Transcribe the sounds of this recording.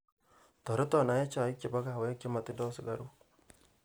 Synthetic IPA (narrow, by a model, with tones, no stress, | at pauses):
tɔ˨ɾɔ˦tɔ˨na˨˦jɛ˦t͡ʃa˨ɪ˦ke˨ba˦ka˦˨wɛ˦ki˦ma˨t̪ɪ˦dɔ˦sɪ˨ɡa˦ɾu˦